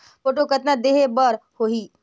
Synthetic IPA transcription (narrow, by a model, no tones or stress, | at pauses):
poːʈ̬okət̪nãd̪eɦebəɾhoɦiː